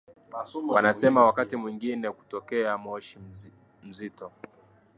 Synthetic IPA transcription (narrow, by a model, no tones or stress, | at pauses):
wanasɛmawakatimwiŋɡinɛku̥tɔkɛamɔʃi | m̩zitɔ